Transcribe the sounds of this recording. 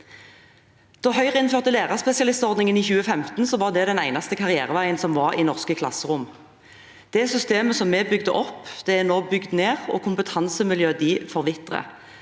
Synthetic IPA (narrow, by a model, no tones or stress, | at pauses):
d̪̥ɔɦœʏʁəɪnføːʁt̪əleːʁɑʁspɛsɪɑlɪst̪ɔʁd̪nɪŋəniːçʉːəfɛmt̪nsɔʋɑʁd̪ɛd̪ɛnæɪnɑst̪əkʰɑʁɪæ̰ːʁəʋæɪənsɔmʋɑʁḭːnɔʁskəkʰlɑ̰səʁʊm | d̪̥ɛsʏst̪eːməsɔmːɛːbʏɡd̪əʔɔpːd̪̥ɛɛʁnoːbʏɡd̪neːʁɔ̰ːkʰʊmpət̪ʰɑnsəmɪljøːd̪iːfɔʁʋɪt̪ʁə̰